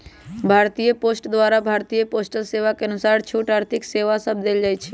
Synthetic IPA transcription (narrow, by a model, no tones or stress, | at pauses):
bʱaɾt̪ijəposʈd̪waɾabʱaɾt̪ijəposʈəlseʋakeənusaɾt͡ʃʰuʈaɾt̪ʰikseʋasəb̚d̪eld͡ʒajt͡ʃʰi